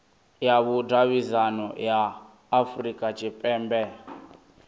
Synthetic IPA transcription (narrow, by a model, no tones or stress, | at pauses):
jaβudaβizanɔjaː | frikʼat͡ʃʰʼɛpʼɛmbɛ